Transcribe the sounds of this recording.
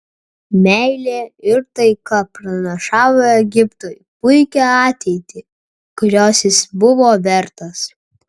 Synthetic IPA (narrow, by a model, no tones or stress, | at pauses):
mʲæɪlʲeːɪɾt̪ɐɪkɐpɾɐnʲɐʃɑːʋoːɛɡʲɪpt̪oːjpʊɪkʲɛɑːt̪ʲɛɪt̪ʲɪ | kʊɾʲoːsʲɪsbʊʋoːʋʲɛɾt̪ɐs